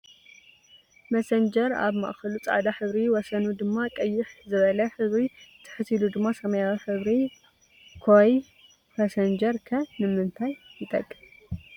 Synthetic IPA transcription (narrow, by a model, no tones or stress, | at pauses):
mɐsɐnd͡ʒɐɾa̰βmɐ̰ʔxɐlut͡sʼa̰ʕd̪aħɨβɾiwɔsɐnud̪ɨmːakʼɐjːɪħzɨβɐlɐħɨβɾit̪ʰːɨ̥ħɨt̪ʰilud̪ɨmːasɐmɐjawiħɨβɾi | kʰoj | pɐsɐnd͡ʒɐɾkʰɐnɨmɨnt̪ʰajːɨt̪ʼɐ̰kʼːɨ